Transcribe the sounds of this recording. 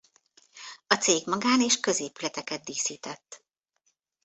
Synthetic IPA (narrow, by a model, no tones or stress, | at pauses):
ɒt̪seːɡmɒɡaːneːʃkø̞zeːpylɛt̪ɛkɛd̪̚d̪iːsiːt̪ɛt̪ː